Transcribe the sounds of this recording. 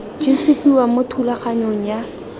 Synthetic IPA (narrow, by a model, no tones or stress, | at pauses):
d͡ʒisɪpʼiwamʊtʰulaχaɲoŋ̩ja